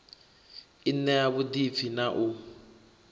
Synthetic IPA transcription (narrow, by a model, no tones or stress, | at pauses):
innːɛjaβudifʰinaʔu